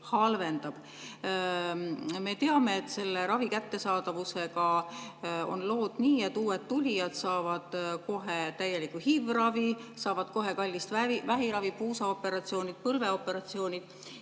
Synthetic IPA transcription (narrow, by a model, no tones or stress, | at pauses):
hɑlve̞nd̪̥ɑb̥ | me̞t̪e̞ɑme̞ːt̪ːˑse̞lːe̞ɾɑvikæt̪ːe̞sɑːd̪ɑvuse̞ɡɑ | o̞̰nlo̞ːd̪̥niːet̪ːuːwe̞d̪t̪ulʲijɑd̪̥sɑːvɑd̪̥ko̞ɦe̞t̪æje̞likːˑuhivrɑvisɑːvɑd̪̥ko̞ɦe̞kɑlʲːist̪ivæɦiɾɑvipuːsɑo̞pːe̞ɾɑt̪sio̞ːnʲid̪̥̚pɤlve̞o̞pːe̞ɾɑt̪sio̞ːnid̪̥